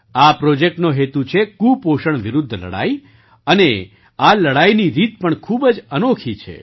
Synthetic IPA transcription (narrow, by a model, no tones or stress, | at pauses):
apɾod͡ʒek̚ʈnoɦet̪ut͡ʃʰekupoʃəɳʋɪɾʊd̪ʱːlə̰ɽa̰i | əne | aləɽajniɾit̪̚pəɳkʰubəd͡ʒənokʰit͡ʃʰḛ